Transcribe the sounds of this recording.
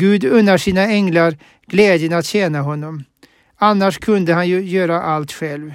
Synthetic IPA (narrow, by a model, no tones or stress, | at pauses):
ɡʉːd̪ɵnːəʂiːnaɛŋlaɾ | ɡ̥lɛːd̪jənat̪ɕɛːnaɦɔnːɔm | anːaʂkʰɵnd̪əhanjjøːɾaʔalt̪ɧɛlv